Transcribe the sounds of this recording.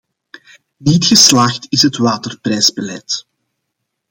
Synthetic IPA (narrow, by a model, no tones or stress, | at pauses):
nitxəslaːxtɪsɦətʋaːtərprɛjzbəlɛt